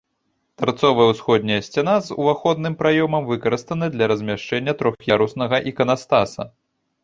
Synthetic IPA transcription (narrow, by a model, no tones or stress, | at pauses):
t̪art̪sɔvɐjɐwsxɔd̪ʲnʲɐjɐsʲt͡sʲanazṵvaxɔd̪̚nɨmpɾajɔmɐmvɨkɐɾɨst̪ɐnɐd̪lʲɐɾɐzʲmʲaʂt͡ʂɛnʲːɐt̪ɾɔxxjʲaɾusnɐɣɐʔikɐnast̪asɐ̰